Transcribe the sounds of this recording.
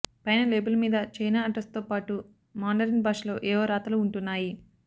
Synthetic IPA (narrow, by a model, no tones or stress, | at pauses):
pɐjnɐleːbɐlmiːd̪ɐt͡ʃɐjnaːɐɖɾɐst̪oːpaːʈu | maːɳɖɐɾinbaːʂlo̞ːʔɛːʋɐːɾaːt̪ɐluːɳʈunːaːji